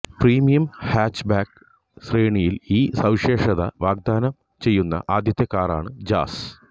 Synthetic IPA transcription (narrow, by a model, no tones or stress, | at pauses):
priːmijɐmhaːt͡ɕːbaːk | sreːɳijiliːsɐwʂe̞ːʂɐðɐ̰ʋaːɡ̚d̪aːnɐm | t͡ɕe̞jːunːɐ̰ʔaːd̪ʱjɐt̪ːjɐkːaːra̰ːɳɨd͡ʑa̰ːs